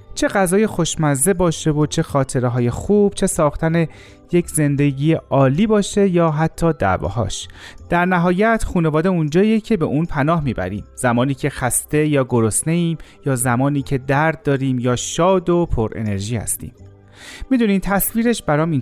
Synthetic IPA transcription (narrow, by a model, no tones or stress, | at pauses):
t͡ʃʰe̞ɡæzɒːje̞xo̞ʃmæze̞bɒːʃe̞vo̞t͡ʃʰe̞xɒːt̪ʰe̞ɾeɦɒːje̞xuːb̥̚t͡ʃʰe̞sɒːxt̪ʰæne̞ | je̞cʰze̞nd̪e̞ɟiːjeʔɒːliːbɒːʃe̞jɒːɦæt̪ʰːɒːd̪æ̰vɒ̰ːɦɒ̰ːʃd̪̥æɾnæɦɒːjæt̪χuːne̞vɒːd̪e̞und͡ʒɒːijecʰe̞be̞ʔunpʰænɒːɦmiːbæ̰ɾḭːmz̥æmɒːniːcʰe̞xæst̪e̞jɒːɡoɾosne̞iːmjɒːzæmɒːniːcʰe̞d̪æɾd̪̚ːɒːɾiːmjɒːʃɒːd̪o̞pʰo̞ɾʔḛne̞ɾʒiːhæ̰st̪ḭːm | mid̪uːniːmt̪ʰæsviːɾe̞ʃbæɾɒːmin